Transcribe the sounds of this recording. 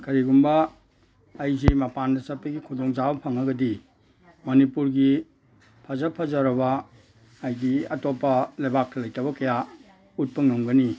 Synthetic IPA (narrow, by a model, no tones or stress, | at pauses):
kɐɾiɡumbɐː | jzimɐpandɐsɐpːɐɡikʰudoŋzabɐpʰɐŋɐɡɐdi | mɐnipuɾɡi | pʰɐzɐpʰɐzaɾɐbɐː | jɡiɐtopːɐlɐjbak̚tʰɐlɐjtɐbɐkɐja | ut̚pɐŋɐŋɡɐni